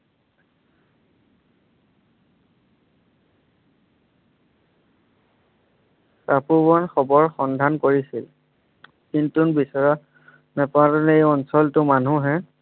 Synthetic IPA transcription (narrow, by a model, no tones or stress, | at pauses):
sapubɔnxɔbɔɹxɔndʱankoɹisil | kintunbisɔɹa | nɛpalɔnejɔnsɔltʊmanuɦɛ